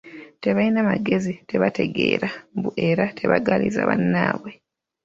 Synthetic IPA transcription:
te̞βainamaɡe̞zite̞βate̞ɡe̞̰ːɾambuʔe̞ɾatʰe̞βaɡaliza̰βanːaːβwe̞

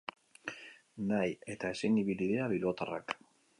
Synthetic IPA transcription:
naje̞t̪ae̞siniβiliðeaβilo̞t̪ara̰k

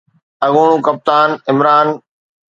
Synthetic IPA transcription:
ɐɠʊːɳ̃ũːkɐp̚t̪aːnɪmɾaːn

